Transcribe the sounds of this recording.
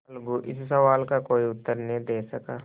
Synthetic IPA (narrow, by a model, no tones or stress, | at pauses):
ɐlɡuʔɪssɐʋaːlkakoːiʊt̪ːəɾned̪eːsɐkaː